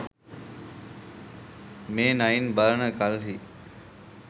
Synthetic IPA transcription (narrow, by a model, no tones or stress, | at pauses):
mẽːnaːinbəɾəɳəkalɦiː